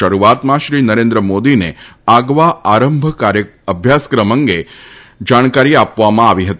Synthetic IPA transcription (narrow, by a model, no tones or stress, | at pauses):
əɾuʋat̪mãʃɾinəɾẽnd̪ɾəmod̪ineaɡʋaaɾəmbʱəkaɾjəəbʱjaskɾəməŋɡe | d͡ʒaɽ̃kaɾiapʋamãaʋiɦət̪i